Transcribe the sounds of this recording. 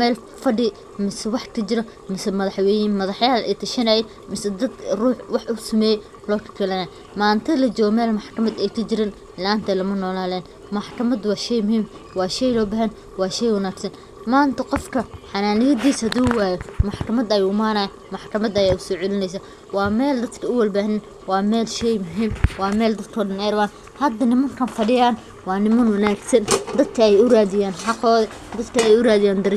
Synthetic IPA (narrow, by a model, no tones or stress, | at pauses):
mɛːl | fɐɖɪ | mɪsɛwɑħkʰɐt͡ʃɪɾɔ | mɪsɛmɐðɐħwɛjɪnmɐðɑħjaːlɛ̰t̪ʰɐʃɐnɐjɛ | mɪsɐd̪ɐd̪ruːħwɑħʊsɐmɛːjɛ | lɔːkʰɐ̥kʰɛlɐnaj | maːnt̪ʰɐlɐt͡ʃɔːɣɔmɛːlmɑħkʰɐmɐd̪ɛjkʰɐt͡ʃɪɾɪn | lɛʔaːnt̪ʰɛlɐmɐnɔːlaːlɛːn | mɑħkʰɐmɐd̪wɑːʃɛjmʊhiːm | wɑːʃɛjlɔːbaɦɛn | wɑːʃɛjwɑnaːɡsɐn | maːnt̪ʰɐqɔfkʰɐħɑnaːnɪjɐd̪iːsɐd̪uwaːjɔmɑħkʰɐmɐd̪ɐjumaːnɐjɐ | mɑħkʰɐmɐd̪ɐjɛʊsɔːʕʊlɪnɛjs̬aː | wɑːmɛːld̪ɐd̪kʰɐʊwɐlbaːhnɪn | wɑːmɛːlʃɛjmʊɦiːmwɑːmɛːld̪ɐd̪kʰɔːɖɐnɛjɾɐβaːn | hɐd̪ɐnɪmɐŋkʰɐnfɐɽɪjaːn | wɑːnɪmɐnwɐnaːɡsɐnd̪ɐd̪̚kʰɐɛjʊraːðɪjaːnħɑqɔːðɐ | d̪ɐd̪kʰɐɛjʊraːðɪjaːnd̪ɐɾ